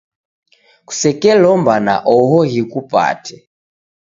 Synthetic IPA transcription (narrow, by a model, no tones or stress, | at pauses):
ku̥sɛkɛlɔmbana̰ʔɔɦɔɦikupa̰tʰɛ